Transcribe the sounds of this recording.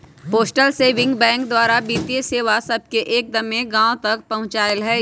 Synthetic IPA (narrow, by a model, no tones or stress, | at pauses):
poːsʈəlseːʋɪ̃ŋɡbɛ̃ːŋk̚d̪waːɾabiːt̪ieseːʋasɐb̚keʔeːk̚d̪ɐmːẽɡãːõt̪ɐk̚pɐɦʊ̃t͡ʃaːəlɦɛː